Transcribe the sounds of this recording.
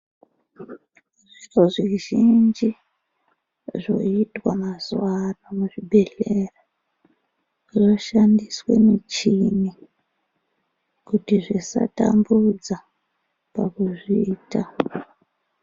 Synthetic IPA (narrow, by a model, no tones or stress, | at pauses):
ʐiroʐiʒind͡ʒi | ʐo̞̰itwamazwaramuʐibʱeɬera | ʐo̞ʃandiswe̞̰mit͡ʃini | kutiʐisa̰ta̰mbud͡za | pakuʐiːta